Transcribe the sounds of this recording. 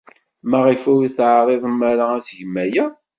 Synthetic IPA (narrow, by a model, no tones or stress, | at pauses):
məʁifuwiθʕɾˤeðˤəmːæɾaæsʝmːæjæ